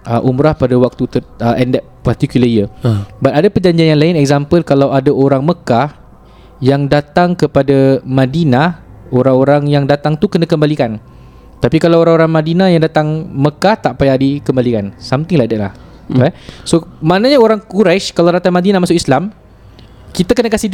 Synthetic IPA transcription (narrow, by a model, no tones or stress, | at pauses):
ʔəʔumɾahpadawak̚t̪ut̪əəʔɛndɛt̚part̪ikjuləiəbat̪adapəd͡ʒaɲd͡ʒianjanlaɪnɛk̚zampəlkalawadaʔoɾaŋməkah | jaŋdat̪aŋkəpadamãdinaoɾaŋoɾaŋjaŋdat̪aŋt̪ukənãkəmbalikan | t̪apikalawoɾaŋoɾaŋmãdinãjaŋdat̪aŋməkaht̪aʔpajaʔdikəmbalikansamt̪ɪŋlahdəʔla̰h | basomanaɲaoɾaŋkuɾaʃkalawdat̪aŋmadinamasʊʔislam | kit̪akənakasi